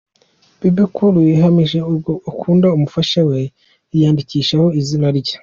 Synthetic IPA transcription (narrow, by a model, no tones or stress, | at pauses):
b̥ibikuɾujiɦamiʒe̞uɡoukʰuːndaumufaʃawe̞ | ijaːndiciːʃaho̞izinaɾɟa